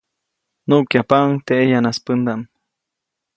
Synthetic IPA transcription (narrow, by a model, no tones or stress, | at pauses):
nuʔkjapaʔŋt̪eʔejanaspɨnd̪aʔm